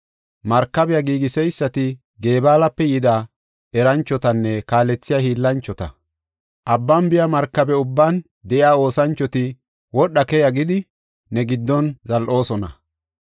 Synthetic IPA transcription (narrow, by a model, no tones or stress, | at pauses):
mɐɾkːɐbɛjaɡiːɡɪsɛjsːɐt̪ɪ | ɡe̞ːbaːlɐpːɛjɪd̪a | ɛɾɐnt͡ʃːɔt̪ɐnːɛkaːlɛt͡sːɪjahiːlːɐnt͡ʃːɔt̪ɐ̰ | ʔɐbːɐmbɪjamɐɾkːɐbɛʊbːan | d̪ɛʔɪaːo̞ːsɐnt͡ʃːɔt̪ɪ | wɔɗːɐkɛjɐɡɪd̪ɪ | nɛɡɪd̪ːɔnzɐlʔo̞ːsɔnɐ̰